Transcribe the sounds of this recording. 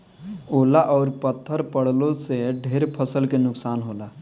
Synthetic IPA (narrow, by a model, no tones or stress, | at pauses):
oːlaʔɔːɾpət̪ʰːəɾpəɽ̤lõseɖʱeːɾpʰəsəlkenʊksaːnɦoːlaː